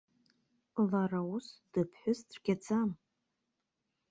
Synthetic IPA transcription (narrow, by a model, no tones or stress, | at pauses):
larausd̥ɨpʰħʷᶣʊsdʰrɡʲad͡zʰam